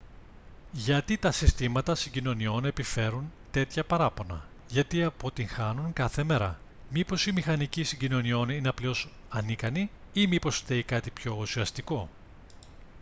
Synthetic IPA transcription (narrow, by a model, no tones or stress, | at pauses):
ʝɐt̪it̪ɐsist̪imɐt̪ɐsiɲɟino̞nio̞ne̞pife̞ɾunt̪e̞t̪çɐpɐɾɐpo̞nɐ̰ | ʝɐt̪iɐpo̞t̪iŋxɐnuŋkɐθe̞me̞ɾɐ̰ | mipo̞simixɐnicisiɲɟino̞nio̞nineɐpleo̞s | ɐnikɐniimipo̞sθe̞ikɐt̪ipço̞usiɐst̪iko̞